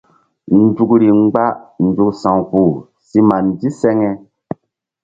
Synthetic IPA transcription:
n̩˦d͡ʒu˨kɾi˨ŋ͡mɡ͡ba˦ʔn̩˨d͡ʒu˨ksã˨ŋ˨ku˨ | si˦ma˨n˨di˦sɛ˦ŋɛ˧

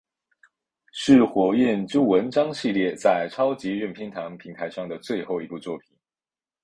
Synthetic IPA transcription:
ʂɻ̩˥˩xwɔ˧˥ɥɛ˥˩nʈ͡ʂu˥wə˧˥nʈ͡ʂɑ˥ŋɕi˥˧ljɛ˥˧t͡sa˥˩ɪʈ͡ʂʰɑ˥ʊt͡ɕi˧˥ɥɛ˥˩npʰi˥ŋt̪ʰɑ˧˥ŋpʰi˧˥ŋt̪ʰa˧˥ɪʂɑ˥˩ŋd̪ə˩t͡swe˥˧ɪxo˥˩ʊi˧˥pu˥˧t͡swɔ˥˩pʰi˨˩˦n

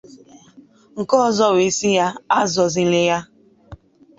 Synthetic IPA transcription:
ŋ̩˨kɔ˦zɔ˦we˨si˦ja˦a˦zɔ˨zi˨˦le˦ja˦

